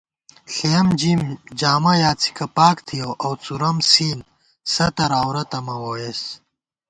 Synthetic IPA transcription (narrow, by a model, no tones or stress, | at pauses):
ɬeɐmd͡ʑimd͡ʑaːmɐjaːt͡sʰi̥kʰɐpaːkt̪ʰijowʔɐwt͡suɾɐmsiːn | sɐt̪ɐɾaːwɾɐt̪ɐmɐwoːjes